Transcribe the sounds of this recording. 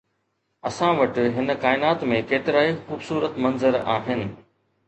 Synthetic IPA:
ɐsãʋɐʈɪ̆ɦɪn̆kaːɪnaːt̪mẽkeːt̪ɪɾaːixuːbsuːɾət̪mɐ̃nzəɾa̰ːɦɪnɪ̆

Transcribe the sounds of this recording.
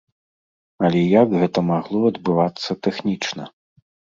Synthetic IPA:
ɐlʲɛjaɡɣɛt̪ɐmaɣlˠɔɐd̪bɨvat̪sːɐt̪ɛxnʲit͡ʂnɐ̰

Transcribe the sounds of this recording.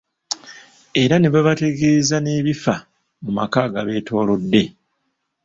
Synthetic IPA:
e̞ɾaneβaβate̞ɡe̞ːzane̞ːβifa | mumakaːɡaβe̞ːtʰo̞ːlo̞dːe̞

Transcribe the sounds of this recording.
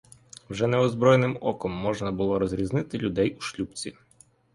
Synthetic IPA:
wʒɛnɛɔzbɾɔjenɪmɔkɔmːɔʒnɐbʊlˠɔɾɔzɾʲiznɪt̪ɪlʲʊd̪ɛjuʃlʲupt͡sʲi

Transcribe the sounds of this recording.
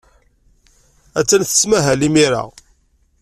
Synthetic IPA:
æt͡sːænθə̥smæɦælimiɾa̰ʁ

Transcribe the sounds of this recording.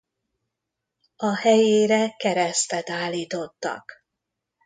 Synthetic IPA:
ɒhɛjeːɾɛkɛɾɛst̪ɛt̪aːlːiːt̪o̞t̪ːɒ̰k

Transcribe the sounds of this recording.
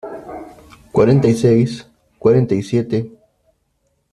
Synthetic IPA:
kwaɾent̪ajsejs | kwaɾent̪ajsjet̪e

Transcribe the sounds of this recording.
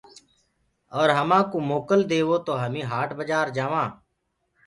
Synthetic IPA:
ɔːɾɦəmãːkoːmoːkəld̪eːʋoːt̪oːɦəmĩːɦaːʈʰbəd͡ʒaːɾd͡ʒaːʋãː

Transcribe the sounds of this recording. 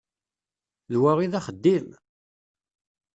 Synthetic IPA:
ðwæʁiðæχəd̪ːim

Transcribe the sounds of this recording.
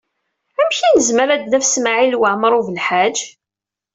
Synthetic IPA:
æmçinəzməɾæd̪næfsmaʕilwaʕməɾˤuvəlħad͡ʒ

